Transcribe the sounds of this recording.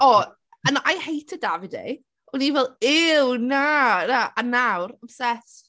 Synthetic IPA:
ɔ | ənajhejtʰədavɪdḛ | ɔnivɛlˠɪwnanaʔanawɾəbsɛs

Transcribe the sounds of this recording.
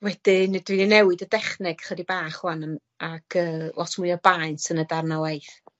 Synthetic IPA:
wɛd̥ɪndwininɛwɨdədɛχnɛɡ̥χɛdibaːχwanə | aɡ̥əːlˠɔtʰmʊjɔbajnsənədarnawajθ

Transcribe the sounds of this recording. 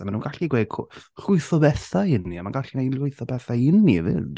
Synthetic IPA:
amanuːnɡ̥aɬiɡwe̥ːkʰɔr̥ʊɨθɔbɛθaɪniamanɡaɬinajlʊɨθɔbɛθaɪnivɪ̰d̥

